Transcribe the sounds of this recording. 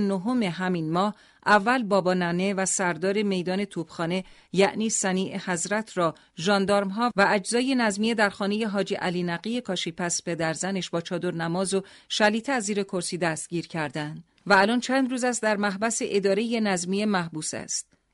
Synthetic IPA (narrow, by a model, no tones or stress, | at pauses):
noɦome̞ɦæminmɒːh | ʔævːælbɒːbɒːnæne̞væsæɾd̪ɒːɾe̞me̞jd̪ɒːne̞t̪ʰuːb̥xɒːne̞ | jæʔniːsæniːʔehæzɾæt̪ʰɾɒː | ʒɒːnd̪ɒːɾmɦɒːvææd͡ʒzɒːje̞næzmijed̪æɾxɒːne̞je̞ɦɒːd͡ʒiʔæliːnæɡije̞kʰɒːʃiːpʰæspʰe̞d̪æɾzæne̞ʃbɒːt͡ʃʰɒːd̪o̞ɾnæmɒːzoʃæliːt̪ʰeæziːɾe̞kʰo̞ɾsiːd̪æst̪̚ɟiːɾcʰæɾd̪æænd̪̥ | væːlɒːnt͡ʃʰæːnd̪ruːzæst̪d̪æɾmæɦbæseʔed̪ɒːɾe̞je̞næzmiemæhbuːsæ̰st̪